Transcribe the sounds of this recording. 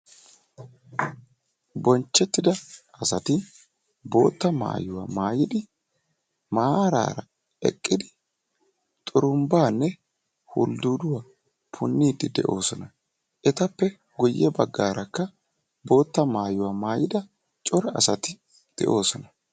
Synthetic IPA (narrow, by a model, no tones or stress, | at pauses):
bɔnt͡ʃːɛt̪ːɪd̪ɐ | ɐsɐt̪ɪ | bo̞ːt̪ːɐma̰ːjʊwa̰ːmaːjɪd̪ɪ | maːɾa̰ːɾɐ | ɛ̰kʼːɪd̪ɪ | t̪ʼʊɾʊmbaːnːɛ | hʊ̰ld̪uːd̪ʊwa | pʰʊnːiːd̪ɪd̪ɛ̰ʔo̞ːsɔnɐ | ʔɛt̪ɐpːɛ | ɡʊjːɛbɐɡːaːɾɐkːɐ | bo̞ːt̪ːɐmaːjʊwaːmaːjɪd̪ɐ | t͡ʃʼɔɾɛɐ̰sɐt̪ɪ | d̪̥ɛ̰ʔo̞ːsɔnɐ